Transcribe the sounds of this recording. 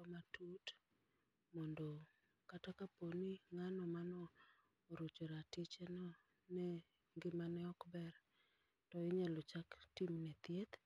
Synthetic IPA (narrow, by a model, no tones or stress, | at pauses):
ɔmatut | mɔndo | katakaponiŋanɔmanɔ | ɾot͡ʃoɾatɪt͡ʃɛnɔ | nɛ | ŋɡɪmanɛɔkbɛr | tɔɪɲɛlot͡ʃaktimnɛt̪jet̪